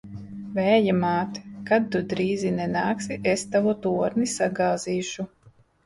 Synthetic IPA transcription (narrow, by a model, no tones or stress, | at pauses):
vɛːjamaːt̪kad̪ːud̪ɾiːzinɛnaːksiʔest̪avut̪uɔɾnisaɡaːziːʃu